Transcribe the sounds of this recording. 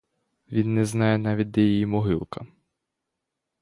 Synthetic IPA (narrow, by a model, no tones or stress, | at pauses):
ʋʲinːɛznɑjɛnɑʋʲid̚ʲd̪ɛjijimɔɦɪlˠkɐ̰